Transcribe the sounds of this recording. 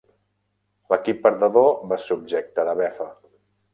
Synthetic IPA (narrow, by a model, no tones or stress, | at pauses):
ləkipːəɾðəðoməsub̚ʒek̚t̪əðəβɛfə